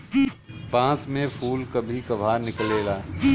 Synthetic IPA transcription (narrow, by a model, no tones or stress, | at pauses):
pãːt͡ʃmẽfʰuːlkɐbʱikɐbʱaːɾnɪkleːlaː